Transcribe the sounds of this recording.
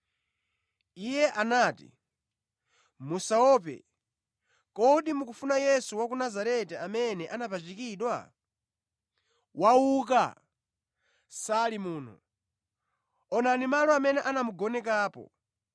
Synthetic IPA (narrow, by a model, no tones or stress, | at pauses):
ijɛʔanaːtḭ | musaɔpɛ̰ | kɔɗimukufunajɛsuwakunazaɾɛtɛamɛnɛʔanapat͡ʃikiːɗwa̰ | wauk̬a̰ | salimuːnɔ̰ | ɔnanimalɔamɛnɛʔanamuɡɔnɛkaːpɔ̰